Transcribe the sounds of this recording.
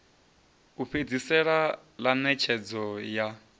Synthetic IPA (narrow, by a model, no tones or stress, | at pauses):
uɸʰed͡zisɛɺa | lanɛt͡ʃʰɛd͡zɔja